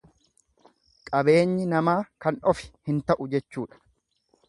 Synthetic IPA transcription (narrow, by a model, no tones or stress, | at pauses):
kʼɐbe̞ːɲːɪnɐmaːkɐnɔfɪ̥hɪnt̪ɐʔʊd͡ʒɛt͡ʃːuːᶑɐ̥